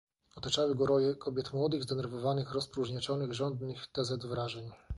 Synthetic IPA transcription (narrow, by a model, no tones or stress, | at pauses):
ɔt̪ɔt͡ʂawɘɡɔɾɔjɛkɔbʲjɛt̪mwɔd̪ɘɣzd̪ɛnɛɾvɔvanɘxɾɔspɾuʐɲɛt͡ʂɔnɘɣʐɔnd̪nɘxt̪ɛzɛd̪vɾaʐɛɲ